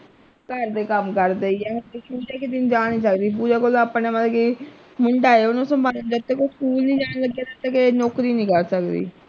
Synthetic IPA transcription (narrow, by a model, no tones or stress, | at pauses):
kəɾd̪eːkəmkəɾd̪eːiɛːkuːd͡ʒeːkɪt̪ind͡ʒaːĩːsəkd̪iːp̬uːd͡ʒaːkolaːpːnẽːmət̪ki | mʊɳɖaːeʊnõsəmbʱaːd͡ʒət̪ːeːkokʰuːlnĩːd͡ʒaːɽ̃ləɡːjaːt̪ət̪ːeːkenɔːkɾiːnĩːkəɾsəkd̪ḭː